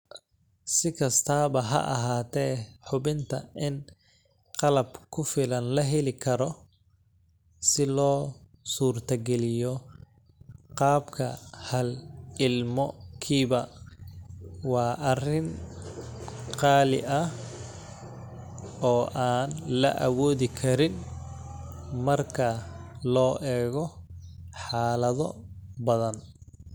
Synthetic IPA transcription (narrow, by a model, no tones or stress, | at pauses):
sɪkʰɐst̪ʰaːβɐɦɐ̰ʔɐ̰ɦaːt̪ʰɛːħʊbɪnt̪ʰɐ̰ʔɪn | qɑlɐbkʰʊfɪlɐnlɐɦɛlɪkʰɐɾɔ | sɪlɔː | suːrt̪ʰɐɡɛlɪjɔ | qɑːbkʰɐ̰hɐlɪlmɔkʰiːβɐ | wɑːʔɐrɪn | qɑːlɪ̰ʔɐh | ɔːʔaːnlɐ̰ʔɐwɔːðɪkʰɐɾɪn | mɐrkʰɐlɔːʔɛːɣɔ | ħɑːlɐðɔbɐðɐn